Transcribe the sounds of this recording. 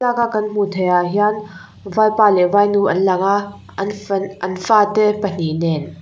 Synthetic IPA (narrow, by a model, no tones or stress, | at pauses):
lakakɐnm̥ut̪ʰɛjaʔɦian | vaːjpaːlɛvajnuʔɐnlɐkaʔ | nɐnfaːt̪ɛpən̥inɛn